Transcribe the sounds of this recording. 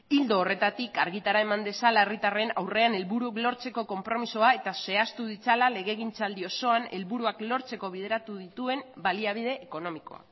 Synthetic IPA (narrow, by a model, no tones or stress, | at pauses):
ild̪o̞ːre̞t̪at̪ikaɾɣit̪aɾae̞mand̪e̞salae̞rit̪are̞nawre̞ane̞lβuɾuklo̞ɾt͡se̞ko̞ko̞mpɾo̞misoae̞t̪ase̞ast̪uðit͡salale̞ɣe̞ɣint͡sald̪io̞so̞ane̞lβuɾuaklo̞ɾt͡se̞ko̞β̞ið̞e̞ɾat̪uð̞it̪ue̞mbaliaβ̞iðe̞ʔːko̞no̞miko̞̰a̰